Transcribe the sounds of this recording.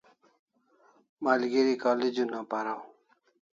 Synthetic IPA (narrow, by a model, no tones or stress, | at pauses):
maːlɡiɾikaːlid͡ʑunãːpaɾaw